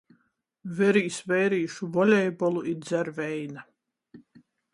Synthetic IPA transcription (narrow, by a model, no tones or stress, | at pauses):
vɛɾiːsvɛjɾiːʃuvɔlʲɛjbɔlˠuiɾd̪zæɾvɛjna